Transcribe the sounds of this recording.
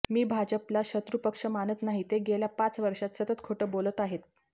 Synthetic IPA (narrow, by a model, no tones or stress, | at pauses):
miːbʱad͡ʑəplaɕət̪ɾupəkʂəmanət̪naɦit̪eɡeljapat͡sʋəɾʂat̪sət̪ət̪kʰuʈəbolət̪aɦet̪